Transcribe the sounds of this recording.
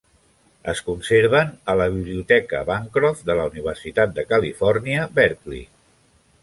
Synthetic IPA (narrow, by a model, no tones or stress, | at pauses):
əskunseɾβənələβiβliut̪ɛkə̰βaŋkɾɔfd̪ələuniβ̞əɾsit̪at̪̚d̪əkəlifɔɾniəβɛɾklḭ